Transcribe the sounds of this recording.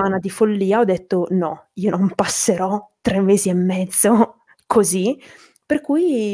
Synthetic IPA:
aːnad̪ifolːiːaɔd̪ːet̪ːonɔiːonompasːeɾɔt̪ɾemːeːziemːɛd̪zːo | kʰozi | perkuːj

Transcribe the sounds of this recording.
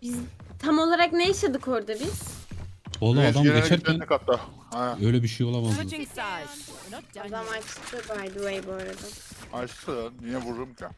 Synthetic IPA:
b̥izt̪ʰamo̞lˠaɾaknejaʃad̪ɯkʰo̞ɾd̪abiz̥ | olˠaːd̪amɟet͡ʃæɾcænɛkat̪ːa | hɛøjlʲɛbiʃejo̞lˠamaz | ad̪amat͡ʃt̪ʰɯbajd̪uejboːɾad̪aaʃsɯnijɛvuɾumcʰʲa

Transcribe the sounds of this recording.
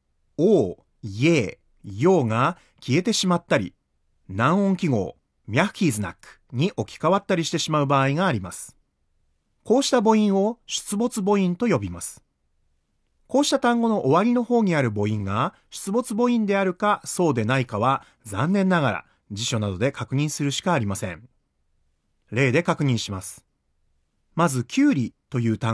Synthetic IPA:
oː | e̞ː | jo̞ːɡa | kʲie̞t̪e̞ɕimat̪ːaɾʲḭ | nãɰ̃õ̞ŋkʲiɡo̞̰ː | mʲiaɸɯ̟̥kʲiːzɨna̰kːɯ̥ɲ̟iʔo̞kʲi̥kaβat̪ːaɾʲiɕi̥t̪e̞ɕimaɯ̟baːiɡaːɾʲimasɨ̥ | ko̞ːɕi̥t̪abo̞ĩɰ̃o̞ɕɨ̥t͡sɨbo̞t͡sɨbo̞ĩnt̪o̞jo̞bʲimasɨ̥ | ko̞ːɕi̥t̪at̪ãŋɡo̞no̞ʔoβaɾʲino̞ho̞ːɲ̟iaɾɯ̟bo̞ĩŋɡa | ɕɨ̥t͡sɨbo̞t͡sɨbo̞ĩnd̪e̞aɾɯ̟kaso̞ːd̪e̞naikaβ̞a | zãnːẽ̞nːaɡaɾa̰ | d͡ʑiɕo̞nad̪o̞d̪e̞kakɯ̟ɲ̟ĩɰ̃sɨɾɯ̟ɕi̥kaːɾʲimasẽ̞̰ɴ | ɾe̞ːd̪e̞kakɯ̟ɲ̟ĩɰ̃ɕimasɨ̥ | mazɨkʲʰɨːɾʲit̪o̞jɯ̟ːt̪ã

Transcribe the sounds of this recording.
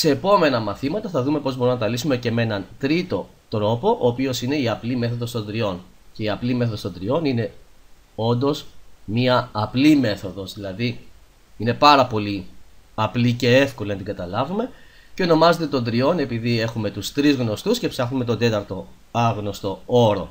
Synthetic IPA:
se̞ːpo̞me̞nɐmɐθimɐt̪ɐθɐðume̞po̞zbo̞ɾumnɐt̪ɐlisume̞ce̞menɐnt̪ɾit̪o̞ | t̪ɾo̞po̞ʔoːpio̞sine̞iɐplime̞θo̞ðo̞st̪o̞nd̪ɾio̞n | ce̞iɐplime̞θoðo̞st̪̞nd̪ɾio̞nine̞ | o̞nd̪o̞smiɐːplime̞θo̞ðo̞zðilɐði | ine̞pɐɾɐpo̞liɐplice̞e̞fko̞linɐt̪iɡɐt̪ɐlɐvume̞ | ceo̞no̞mɐze̞t̪e̞t̪o̞nd̪ɾio̞ne̞piðie̞xume̞t̪ust̪ɾizɣno̞st̪usce̞psɐxnume̞t̪o̞nd̪e̞t̪ɐɾt̪o̞ | ɐɣno̞st̪o̞o̞ɾo̞̰

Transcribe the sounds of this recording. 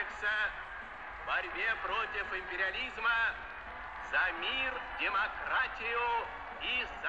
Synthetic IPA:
ksɐ | vbɐɾʲbʲepɾotʲɪfɪmʲpʲɪɾʲɪalʲizmə | z̥ɐmʲirdʲɪmɐkɾatʲɪjʊ | iz

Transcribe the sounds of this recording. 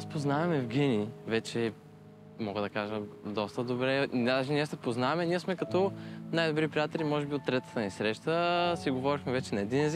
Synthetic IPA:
aspoznavɐmɛvɡʲɛnivɛt͡ʃɛ | mɔɡəd̪ɐkaʒəd̪ɔst̪əd̪obɾɛnʒiniɛsɛpoznavɐmɛniɛsmɛkɐt̪ɔnajd̪obɾipɾijat̪ɛlʲimɔʒɛbiot̪ːɾɛt̪ə̥t̪ənisɾɛʃt̪əsiɡovɔɾixmɛvɛt͡ʃɛnɐɛd̪inɛzik

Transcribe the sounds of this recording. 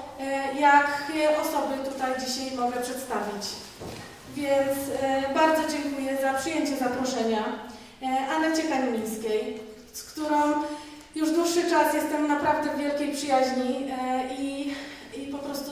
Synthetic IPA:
jakɔsɔbɘt̪ut̪ajd͡ʑiɕajmɔɡɛpʂɛt̪st̪avʲit͡ɕ | vʲjɛnt̪sbaɾd̪zɔd͡ʑɛŋkujɛzapʂɘjeɲt͡ɕɛzapɾɔʂɛɲa | ʔanat͡ɕɛkaɲimʲijskʲej | skt̪uɾɔ̃w̃ | juʐd̪wuʂːɘt͡ʂasjɛst̪ɛmnapɾavd̪ɛvvʲjɛlkʲejpʂɘjaʑɲii | ipɔpɾɔst̪u

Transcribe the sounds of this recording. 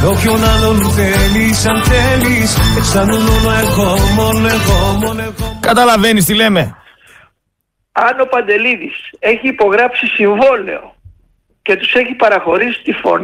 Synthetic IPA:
opçonɐlonθelisɐnθeliseksɐnunonoeɣomononeɣomonekɐt̪ɐlɐve̞nist̪ile̞me̞ | ɐno̞pɐnd̪e̞liðise̞çiːpo̞ɣɾɐpsisiɱvo̞le̞̰o̞̰ | ce̞t̪u̥se̞çipɐɾɐxo̞ɾisi̥t̪ifo̞̰ni

